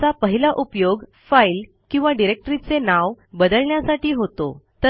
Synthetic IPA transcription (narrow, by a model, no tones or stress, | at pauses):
apəɦilaʔupjoɡ | fail | kĩw̃ʋaɖiɾek̚ʈɾit͡senaʋbəd̪əɭɳjasaʈiːɦot̪o̰t̪ə